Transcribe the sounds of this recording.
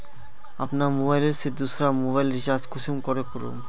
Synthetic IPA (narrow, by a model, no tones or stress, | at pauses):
apnamobajleɾsid̪ːusɾamobajlɾiʃad͡ʑkuʃumkɔɾekoɾṵm